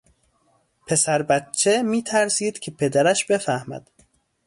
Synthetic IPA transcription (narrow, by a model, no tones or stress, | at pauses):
pʰe̞sæɾbæt̪t͡ʃʰːemiːt̪ʰæɾsiːd̪cʲʰepʰe̞d̪æɾæʃbe̞fæhmæ̰d̪̥